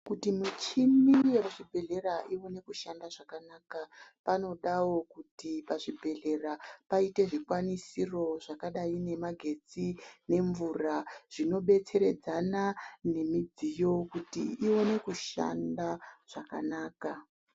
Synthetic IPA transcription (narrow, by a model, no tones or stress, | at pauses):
kutimut͡ʃimijeaʐibʱe̞ɮe̞ɾaʔiwone̞kuʃandaʐakanaːkapano̞ɗawo̞kutipaʐibʱe̞ɮe̞rapaite̞ʐikwanisiro̞ʐ̥akaɗaine̞maɡʱe̞d͡zine̞ɱvuraʐ̥ino̞ɓe̞t͡se̞ɾe̞d͡zanane̞mid͡zijo̞kutḭːo̞ne̞kuʃa̰ndaʐ̥akanaːka